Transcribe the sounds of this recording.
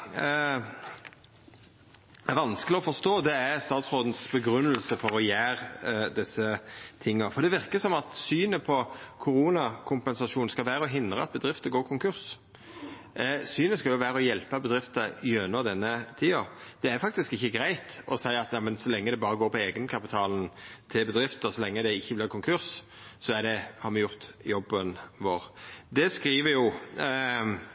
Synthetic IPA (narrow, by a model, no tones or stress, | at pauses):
ʋɑnskəlɪɔfɔʂt̪oːd̪ɛæst̪ɑːt̪sʁoːd̪n̩sbəɡɾʉnːəlsəfɔɾɔjæːɾd̪ɪsːət̪ʰɪŋːɑfɔɾd̪ɛʋɪɾkəsɔmɑt̪syːnəpʰɔkʰʊɾuːnɑkʰʊmpɛnsɑʂuːn̩skɑlʋæːɾəɔɦɪnd̪ɾəɑt̪̚bəd̪ʁɪft̪əɡoːɾkʰʊŋkʉɾs | syːnəskɑljʊʋæːɾəɔjɛlpəbəd̪ɾɪft̪əjønɔd̪ɛnːət̪ʰiːɑd̪̥ɛæɾfɑk̚t̪ɪskɪçːəɡɾæɪt̪ɔsæɪɑt̪jɑːmənsɔlɛŋːəd̪ɛbɑːɾəɡoːɾpɔeːɡənkʰɑpɪt̪ʰɑːln̩t̪ʰɪlbəd̪ɾɪft̪əsɔlɛŋːəd̪ɛɪçːəblɪɾkʰʊŋkʰʉɾs | sɔæd̪ɛhɑɾmɛjʊʁt̪jɔbːənʋoːɾd̪ɛskɾiːʋəjʊ